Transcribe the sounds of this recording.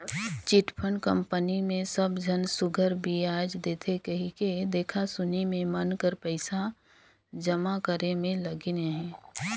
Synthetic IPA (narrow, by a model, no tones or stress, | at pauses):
t͡ʃɪʈpʰənkə̃mpənimẽsəbd͡ʒʱənsʊɡʱəɾbʱiaːd͡ʒd̪eːt̪ʰekəɦiked̪eːkʰasʊnimẽmənkəɾpəɪsa | d͡ʒəmakəɾemẽləɡneɦɛ̃ː